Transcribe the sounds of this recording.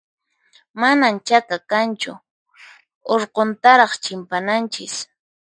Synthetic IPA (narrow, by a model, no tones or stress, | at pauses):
manant͡ʃakakant͡ʃʊ̰ | oɾqont̪aɾɑχt͡ʃɪmpanant͡ʃɪs